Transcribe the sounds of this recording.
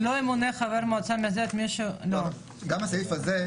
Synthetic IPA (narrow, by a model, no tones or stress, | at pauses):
loemuneχaveɾmoat͡sameazet̪miʃulo | ɡamasaifaze